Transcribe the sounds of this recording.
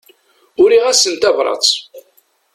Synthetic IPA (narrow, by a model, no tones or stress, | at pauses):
ʊɾiʁæsənt̪ævɾˤɑ̰t͡s